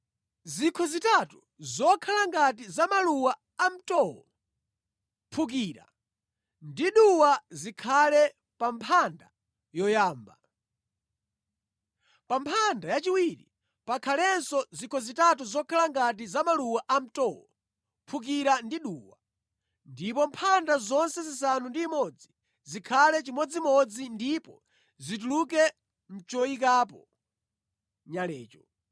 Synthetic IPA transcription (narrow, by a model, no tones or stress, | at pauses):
zikʰɔzitatu | zɔkʰalaŋɡat̬izamaluwaː | m̩tɔwɔ | pʰuk̬iɾa̰ | ndiɗuwazikʰalɛ | pampʰanda | jɔjaːmba | pampʰandajat͡ʃiwiɾḭ | pakʰalɛnsɔzikʰɔzitatuzɔkʰalaŋɡat̬izamaluwaʔam̩tɔwɔ̰ | pʰuk̬iɾandiɗuːwa | ndipɔmpʰandazɔnsɛzis̬anundiːmɔd͡zi | zikʰalɛt͡ʃimɔd͡zimɔd͡zindipɔ | zit̬uluk̬ɛ | m̩t͡ʃɔik̬aːp̬ɔ | ɲalɛːt͡ʃɔ